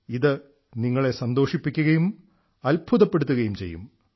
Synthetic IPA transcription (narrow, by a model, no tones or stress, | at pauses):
iðɨ | niŋːɐɭe̞sɐnd̪o̞ːʂipːikʲːuɣɐjum | ɐlbʱuðɐpːe̞ɽut̪̬ːuɣɐjumt͡ɕe̞̰jːṵm